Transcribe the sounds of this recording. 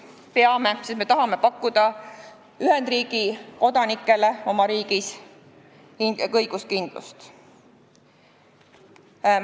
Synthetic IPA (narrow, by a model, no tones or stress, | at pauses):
peɑme̞sesme̞t̪ɑɦɑme̞pɑkˑːud̪ɑ | yɦend̪riːɡ̥iko̞d̪ɑnikːˑe̞le̞o̞mɑɾiːɡ̥is | ikɤjɡ̥uskind̪̥lṵst̪